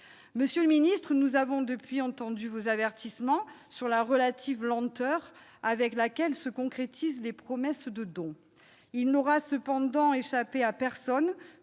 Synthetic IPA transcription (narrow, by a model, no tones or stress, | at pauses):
məsjøləminist̪χənuzavɔ̃d̪əpɥiɑ̃t̪ɑ̃d̪yvozavɛʁt̪ismɑ̃ | syʁlaʁəlat̪ʰivlɑ̃t̪œʁ | avɛklakʲɛlsəkɔ̃kχet̪ʰizlepχɔmɛsd̪əd̪ɔ̃ | ilnɔʁasəpɑ̃d̪ɑ̃eʃapeapɛʁsɔn